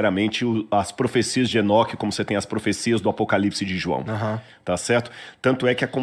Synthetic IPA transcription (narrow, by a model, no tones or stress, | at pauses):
ɛɾɐmẽnt͡ʃɪʊɐspɾofesiɐzd͡ʒɪenɔkɪkõmʊset̪ẽj̃ɐspɾofesiɐzd̪ʊapokalipsɪd͡ʒɪʒuɐ̰̃w̃aɦɐ̃ | t̪asɛɾt̪ʊ̥t̪ɐ̃nt̪ʊɛkɪɐkõ